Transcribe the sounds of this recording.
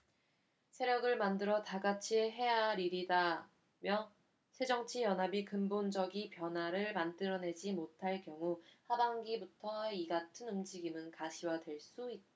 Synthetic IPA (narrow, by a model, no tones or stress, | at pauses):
sʰe̞ɾjʌɡɯɭmandɯɾʌtaɡat͡ɕʰiɦe̞jaɾiɾida | mjʌ | sʰe̞d͡ʑʌŋt͡ɕʰijʌnɦabikɯmbond͡ʑʌɡipjʌnɦwaɾɯɭmant͈ɯɾʌne̞d͡ʑimotʰaɭkjʌŋuhabaŋɡibutʰʌiɡatʰɯnumd͡ʑiɡimɯnkaɕʰiwadwe̞ɭs͈uit̚t͈a